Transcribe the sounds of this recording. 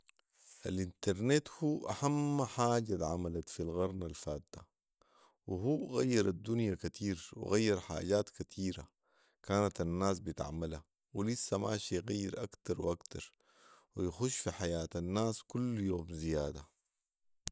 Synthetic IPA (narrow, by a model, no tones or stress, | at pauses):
ʔalʔint̪ɑɾˤnet̪huːʔaħamːaħaːɟat̪ʕamalat̪filɣɑɾˤnalfaːd̪ːa | wiɦuːɣa̰jːɑɾˤad̪ːunjakat̪ʰiːɾwḭɣajːɑɾˤħa̰ːɟaːt̪kat̪ʰiːɾa̰ | kaːnat̪anːaːs̬bit̪a̰ʕmala | wilisːamaːʃijɣajːiɾʔakt̪ɑɾˤwʔakt̪ɑɾˤ | wijaxuʃːfiħajaːt̪anːaːskulːjoːmzijaːd̪a